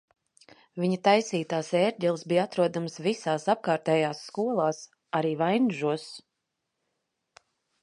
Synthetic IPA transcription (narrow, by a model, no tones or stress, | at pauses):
vʲiɲat̪ajsiːt̪aːsɛːɾɟʲɛlˠsbijat̪ɾuɔd̪amsvisaːsap̚kaːɾt̪ɛːjaːsːkuɔlˠaːs | aɾiːvajnʒuɔs